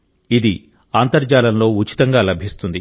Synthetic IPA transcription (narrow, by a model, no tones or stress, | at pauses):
id̪i | aːnt̪ɐɾd͡ʒaːlɐnlo̞ːut͡ʃi̥t̪ɐŋɡaːlɐbʱist̪und̪ḭ